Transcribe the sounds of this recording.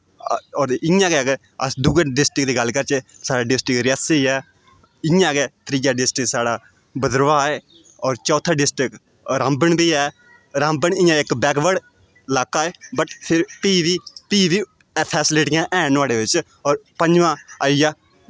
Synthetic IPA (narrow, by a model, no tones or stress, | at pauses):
ɔːɾɪãːkeke | ə̰sd̪uɡeɖɪsʈɪkd̪iːɡəlːkəɾt͡ʃeːsaːɽaːɖɪsʈɪkɾɪjəsiiɛː | ɪjãːkeːt̪ɾɪjaːɖɪsʈɪksaːɽaː | bəd̪ɾʋaːɛː | ɔːɾt͡ʃɔːt̪ʰãːɖɪsʈɾɪk | ɾãːmbəɳbiːɛː | ɾãːmbəɳɪjãːɪkbɛːkbəɽ | laːkaːeːbəʈpʰɪɾpiːʋiːpiːʋiː | pʰɛːsɪleːʈɪjãːʔɛːnaːɽeːʋɪt͡ʃ | ɔːɾpəɲd͡ʒʋãːaːijaː